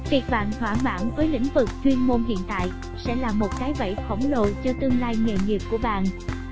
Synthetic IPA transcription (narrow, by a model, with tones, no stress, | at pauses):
vi˨˩k̚ɓa̰ː˧˨nt̪waː˧˩mwa̰ː˧˩nvəː˨˦jlḭ˧˥˨ŋ̟vɨ˨˩k̚t̪wi˧ənmo˧nɦḭ˧˨ənt̪a̰ː˧˨j | sɛ̰˧˥laː˨˩mo˨˩t̚kaː˨˦jvə̰˧˨jfə˧˩wŋ͡mlo̰˧˨t͡ɕɔ˧t̪ɨ˧əŋlaː˧jŋḛ˨˩ŋi˨˩p̚ku˧˩əɓa̰ː˧˨n